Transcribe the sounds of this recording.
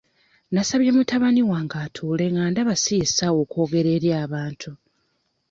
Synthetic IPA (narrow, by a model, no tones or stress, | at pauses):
nasaβjemutaβaniwaːŋɡaːtʰuːle̞ŋaːndaβasisawoko̞ːɡe̞ɾe̞ːɾjaːβaːntʰu